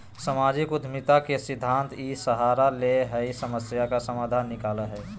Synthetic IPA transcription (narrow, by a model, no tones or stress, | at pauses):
səmaːd͡ʒikʊd̪ʱmɪt̪akesɪd̪ʱːãːnt̪isəɦaːɾaleɦəisəməsjakasəmaːd̪ʱaːnːɪkaːləɦɛː